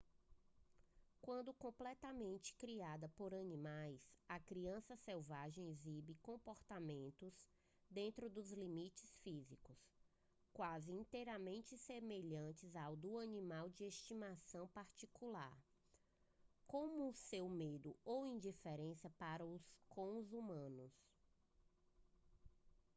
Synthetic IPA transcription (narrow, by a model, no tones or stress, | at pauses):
kwɐ̃nd̪ʊkõplɛt̪ɐmẽnt͡ʃɪ̥kɾiad̪ɐpoɾɐnĩmajsɐkɾiɐ̃sɐsɛwvaʒẽj̃ezibɪkõpoɾt̪amẽnt̪ʊz | d̪ẽnt̪ɾʊd̪ʊzlimit͡ʃɪsfizikʊs | kwazɪĩt̪ejɾɐmẽnt͡ʃɪsemeʎɐ̃t͡ʃɪzawd̪ʊɐnĩmawd͡ʒɪest͡ʃimasɐ̃w̃paɾt͡ʃikulaɾ | kõmʊːsewmed̪ʊowĩd͡ʒifeɾẽsiɐpaɾɐʊskʰõzumɐ̃nʊs